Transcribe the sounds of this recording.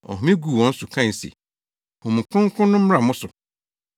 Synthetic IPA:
ɔ̰˨ɦmĩ˦ɡu˨wɔ̃˦n̩˦sʊ˨kʰã˦˨n̩˨sḛ˨ | hʊ̃˨m̩˨kʰʊ̃˦ŋ̩˦kʰʊ̃˦nːʊ̃˦m̩˦ɾa˨mʊ̃˦sʊ˨

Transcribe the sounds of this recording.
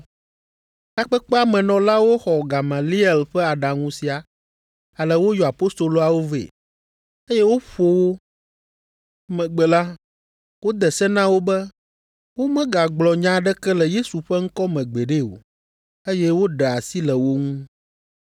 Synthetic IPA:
ka˦k͡pɛ˦k͡pɛ˦a˦˨mɛ̃˨nɔ̃˨la˦wo˦xɔ˨ɡa˨ma˨li˦ɛ˨lɸɛ˦a˨ɖa˨ŋũ˦si˨a˨ | a˨lɛ˨wo˦jɔ˨a˨po˦st̪o˨lo˦a˨wo˦vḛ˨ | e˦jɛ˦wo˦ɸo˦wo˦ | mɛ̃˨ɡ͡bɛ˨la˦ | wo˦d̪ɛ˨sɛ˦nã˦wo˦bɛ˦ | wo˦mɛ̃˦ɡa˨ɡ͡blɔ˨ɲã˦ɖɛ˦kɛ˦lɛ˨je˦su˨ɸɛ˦ŋ̩˦kɔ˦mɛ̃˨ɡ͡be˨ɖe˦wo̰˨ | e˦jɛ˦wo˦ɖɛ˨a˨si˦lɛ˨wo˦ŋũ˦

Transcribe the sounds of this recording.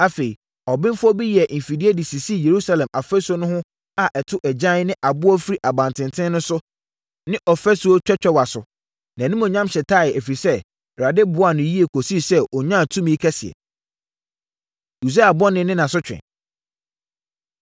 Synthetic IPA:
a˦fe˨i˨ | ɔ˨bɪ̃˦n˦fʊ˦ɔ˦bi˦jɛ˨ʔm̩˨fi˨di˦e˦di˨si˨si˦˨je˨ɾu˦sa˨lɛ̃˨ma˨fɛ˦so˦nʊ̃˦ɦʊ̃˦ | a˨ʔɛ˨tʰʊ˦ʔɛ˨d͡ʑã˦n˦nɪ̃˦ʔa˨bʊ˦ɔ˦fi˦ɾi˦ʔa˨bã˨ntʰɪ̃˨ntʰɪ̃˦nʊ̃˦sʊ˦ | nɪ̃˦ʔɔ˨fɛ˦su˨˦o˦t͡ɕᶣɛ˦t͡ɕᶣɛ˦wa˨sʊ˨ | nã˨nĩ˦mɔ̃˨ɲã˦mɕɛ˨tʰa˦˨ɛ˨æ˨fi˨ɾi˨sɛ˦˨ | ɾa˨dɪ˦bʊ˨˦a˨nʊ̃˨ji˦e˨kʰo˨si˦sɛ˦ʔɔ˨ɲã˦˨tʰũ˦mĩ˦kʰɛ˦sɪ˨ɛ̰˨ | u˨s̬e˦a˨bʊ˦ɔ˦nɪ̃˦nɪ̃˦nã˨sʊ˦t͡ɕᶣɪ̰̃˨

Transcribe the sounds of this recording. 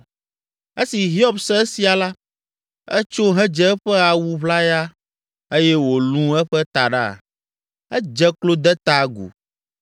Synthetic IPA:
e˦si˨ɦi˦ɔ˦bsɛ˦si˨a˨la˦ | ɛ˦t͡ʃo˦ɦɛ̃˦d͡ʒɛ˦ɸɛ˦a˨wu˦βla˦ja˦ | e˦jɛ˦wo˨lũ˦ɛ˦ɸɛ˦t̪a˨ɖa̰˦˨ | ɛ˦d͡ʒɛ˦klo˦d̪ɛ˦t̪a˨ɡṵ˨

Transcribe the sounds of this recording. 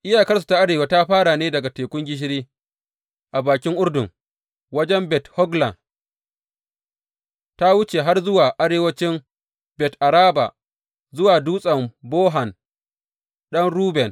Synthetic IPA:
ʔɪ˦jaː˨kɐ˦rs̬u̥˨ta˨˦ʔa˦ɽeː˨wa˦ta˦ɸaː˦ɽa˨neː˦dɐ˨ɡa˨teː˨kʷʊ˦ŋɡʲɪ˦ʃ̬ɪ˦ɽiː˦ | ʔa˨baː˨kʲɪ˦ŋʔʊ˦rdʊ˨ŋ | wɐ˦d͡ʒɛ˦mbɛ˨thɔ˦ɡla̰˨n | ta˦wʊ˦t͡ʃe˨ɦa˦rzʊ˦waː˨ʔa˦ɽeː˨wɐ˦t͡ʃɪ˦m | bɛ˨tʔa˨ɾaː˦ba̰˨ | zʊ˦waː˨duː˦sʼɐ˨mboː˦ɦa˨n | ɗɐ˦nɽuː˦bɛ˨n

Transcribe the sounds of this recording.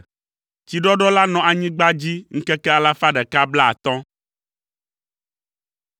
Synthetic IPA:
t͡ɕi˨ɖɔ˦ɖɔ˦la˦nɔ̃˨ʔa˨ɲĩ˦ɡ͡ba˦d͡ʑi˦ŋ̩˦kɛ˦kɛ˦a˨la˦fa˦ɖɛ˨ka˦bla˦a̰˨t̪ɔ̃˦

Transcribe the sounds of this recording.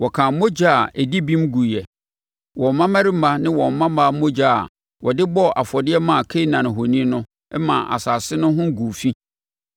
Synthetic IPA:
wɔ˨kʰã˨˦mo˦d͡ʑa˦a˨ɛ˨di˦bĩ˦mɡu˨jɛ˨ | wɔ̃˨m˨mã˦mã˦ɾɪ˦m̩˦mã˦nɪ̃˦wɔ̃˨m˨mːã˦mã˦mo˦d͡ʑa̰˦˨ | wɔ˨dɪ˦bɔ˦ʔa˨fɔ˨dɪ˦ɛ˦mã˨kʰe˦i˦nã˨nɪ̃˨ɦo˨nĩ˦nʊ̃˦ | ɛ˦mã̰˨ʔa̰˨sa˨sɪ˦nʊ̃˦ɦʊ̃˦ɡu˨fi˦

